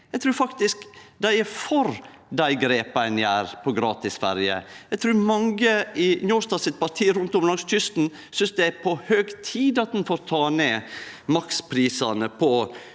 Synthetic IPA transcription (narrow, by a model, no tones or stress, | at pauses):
jjæɪt̪ʰɾʉːɾfɑkt̪ɪskd̪æɪæfɔɾ | d̪æɪɡɾeːpæɪnəæːɾpʰɔɡɾɑːt̪ɪsfæ̰ɾjə̰jæt̪ʰɾʉːɾmɑŋɡəɪnɔːst̪ɑːsɪt̪̚pɑɾt̪ʰiːəɾʊnt̪ɔmlɑŋst̪ʰʏst̪n̩ | sʏnsd̪ɛæɾpʰɔhøːɡt̪ʰiːd̪ɑt̪̚d̪ɛnfoːɾt̪ʰɑːneːmɑkspʰɾiːsɑnəpʰɔ